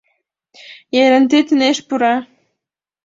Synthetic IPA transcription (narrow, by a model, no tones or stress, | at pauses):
jeɾɘ̆nt̪it̪ɘ̆neʃpuɾɑ